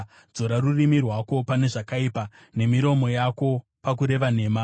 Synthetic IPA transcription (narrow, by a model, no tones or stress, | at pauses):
zo̞ɾarurimirwako̞pane̞ʐakaipa | ne̞miɾo̞mo̞jako̞ | pak̬uɾe̞ʋane̞ːma